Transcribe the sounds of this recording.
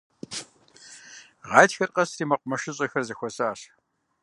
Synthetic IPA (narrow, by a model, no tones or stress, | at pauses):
ʁɑːjtxɐrqɐsriːmɐqʷʼʊmɐʃɪɕʼɐxɐrzɐxʷɔsaaːɕ